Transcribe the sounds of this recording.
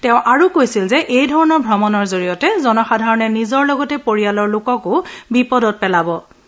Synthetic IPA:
tɛ̃ʊ̃ʔaɹukojsilzɛʔejdʱɔɹɔnɔɹbʱɹɔmɔnɔɹzoɹijɔtɛzɔnɔxadʱaɹɔnɛnizɔɹlɔɡɔtɛpoɹijalɔɹlʊkɔkʊbipɔdɔt̚pɛlabɔ

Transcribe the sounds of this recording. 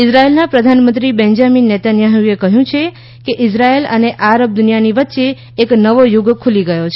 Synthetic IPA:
ɪsɾaelnapɾəd̪ʱanmə̃nt̪ɾibɛ̃nd͡ʒaminːɛt̪anjaɦuekəɦjũt͡ʃʰe | keʔɪsɾaeləneʔaɾəb̚d̪ʊnijaniʋət̪ːʃeː | knəʋojʊɡkʰuliɡəjot͡ʃʰe

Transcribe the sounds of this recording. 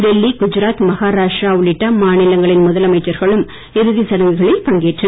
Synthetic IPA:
ɖɛlːiɡʊd͡ʒɪɾaːt̪mɐɣaːɾaːʂʈɾaːʊɭɪʈːaːmaːnɪlɐŋɡɐɭɪnmʊðɐlɐmɐɪt͡ʃːɐɾɣɐɭɯm | ɛɾɯðisɐɽɐŋɡɯɣɐɭɐɪpɐŋɡeːʈrɐ

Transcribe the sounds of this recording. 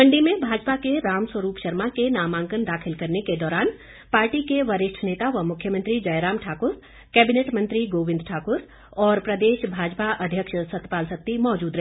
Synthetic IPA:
pɐ̃ɳɖimẽbʱaːd͡ʒpakeɾaːmswəɾuːpʃɐɾmakenaːmãːŋkənd̪aːkʰɪlkɐɾneked̪ɔːɾaːn | paːɾʈikeʋɐɾɪʃʈʰneːt̪aʋəmʊkʰjəmə̃nt̪ɾid͡ʒɐjɾaːmʈʰaːkʊɾ | kɛːbɪneːʈmə̃nt̪ɾiɡoːʋɪ̃nd̪ʈʰaːkʊɾ | ɔːɾpɾɐd̪eːʃbʱaːd͡ʒpaʔɐd̪ʱjəkʃsɐt̪paːlsək̚t̪imɔːd͡ʒuːd̪ɾɛɦ

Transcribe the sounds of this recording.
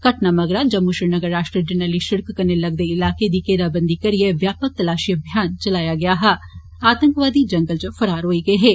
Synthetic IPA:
kɐʈnamɐɡɾad͡ʒɐmːuʃinɐɡəɾːaːʃʈɾiəd͡ʒɛnaliʃɪɾkkɐɾnelɐɡd̪eɪlaːked̪ikeːɾaːbə̃nd̪ikɐɾieʋjaːpək̚t̪ɐlaːʃiɐbʱjaːnt͡ʃɐlaːjaɡɐjaɦɛ | aːt̪ə̃ŋkʋaːd̪id͡ʒɐ̃ŋɡəld͡ʒofɐɾaːɾɦoːiɡɐeɦɛː

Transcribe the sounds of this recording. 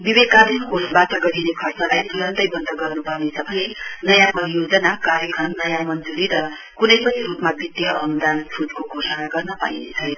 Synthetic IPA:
bibed̪̚kad̪ʱinkosbat̪ʌɡʌɾinekʰʌrt͡sʌlajt̪ʰuɾʌnt̪ʌjbʌnd̪ʌɡʌrnupʌrnesʰʌbʱʌnenʌjãpʌɾijod͡zʌnakaɾjʌkʰʌnnʌjãmʌnd͡zuɾiɾʌ | kunʌjpʌt͡sʰiɾupmabʱit̪ːiʌʌmd̪anpʰudkoɡʱosʌnaɡʌrnʌpa̰ḭnḛt͡sʰʌjnʌ

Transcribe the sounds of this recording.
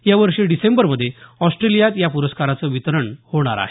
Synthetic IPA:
jaʋəɾʂeɖisembəɾməd̪ʱːjeɔsʈɾelijat̪japuɾəskaɾat͡səʋit̪ɾəɳhoɽ̃a̰ɾa̰ɦe

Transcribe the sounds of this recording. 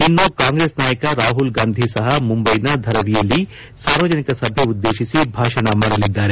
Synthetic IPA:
inːukaːŋɡɾeːsnaːjɐkɐɾaːɦulɡaːnd̪ʱisɐɦɐmumbɐjnɐd̪ʱɐɾɐʋijɐlːi | saːɾʋɐd͡ʒɐnikɐsɐbʱeud̪ːe̞ːʃisibʱaːʂɐɳɐmaːɽɐlid̪ːaːɾe

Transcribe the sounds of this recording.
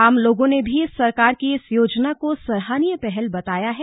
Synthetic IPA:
aːmloːɡõnebʱisɐɾkaːɾkiɪsjoːd͡ʒnakosɐɾɦaːnijepɛɦɛlbɐt̪aːjaɦɛː

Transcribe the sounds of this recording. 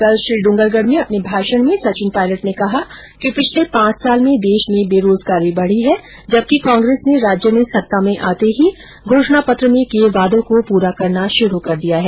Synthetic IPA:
kɐlʃɾiːɖʊ̃ŋɡəlɡəɽ̤mẽɐpnebʱaːʃəñmẽsɐt͡ʃɪ̃npaːɪləʈnekɐɦa | kipɪt͡ʃʰlepãːt͡ʃsaːlmẽd̪eːʃmẽbeːɾoːzɡaːɾibɐɽ̤iɦɛ | d͡ʒɐb̚kikãːŋɡɾeːsneɾaːd͡ʒjəmẽsɐt̪ːamẽʔaːt̪eɦi | ɡʱoːʃñapɐt̪ɾəmẽkeʋaːd̪õkopuːɾakɐɾnaʃʊɾukɐɾd̪ijaɦɛː

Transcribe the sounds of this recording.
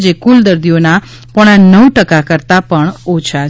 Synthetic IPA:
d͡ʒekuld̪əɾd̪ijona | pɔɽ̃anəwʈəkakəɾt̪apəɳot͡ʃʰa

